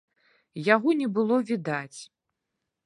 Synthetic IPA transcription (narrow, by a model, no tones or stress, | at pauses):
jaɣɔnʲɛbɨlˠɔvʲid̪at͡sʲ